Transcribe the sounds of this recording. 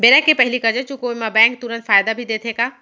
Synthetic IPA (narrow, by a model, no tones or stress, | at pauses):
beːɾɛkepɛɦlikɐɾd͡ʒat͡ʃũkoimabɛ̃ːŋk̚t̪ʊɾə̃nt̪faːjd̪abʱid̪eːt̪ʰekaː